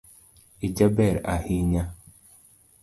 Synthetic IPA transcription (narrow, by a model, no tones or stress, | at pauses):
id͡ʒabɛɾa̰hiɲa